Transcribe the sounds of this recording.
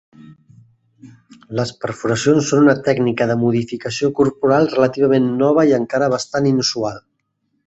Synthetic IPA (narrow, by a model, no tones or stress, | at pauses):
ləspəɾfuɾəsionsːonunət̪ɛɡnikəðəmuðifikəsiokuɾpuɾalˠrələt̪iβ̞əmenːɔβ̞əiəŋkaɾəβ̞əst̪aninusualˠ